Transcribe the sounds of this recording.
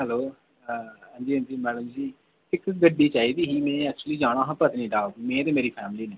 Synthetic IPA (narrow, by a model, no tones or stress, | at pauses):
ɦɛloː | ɦãːnd͡ʒiːɦə̃nd͡ʒiːmɛːɖəmd͡ʒiː | pɪkːəsɡəɖːiːt͡ʃaːiːd̪iːɦiːmɛ̃ːɛːk̚t͡ʃuəliːd͡ʒaːɽ̃ãːɦə̃pət̪nĩːɖaːmɛ̃ːt̪eːmeːɾiːpʰɛːmliːneː